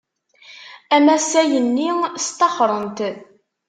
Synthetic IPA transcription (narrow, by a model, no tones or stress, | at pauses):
æmæsæjənːist̪ɑχɾˤənt̪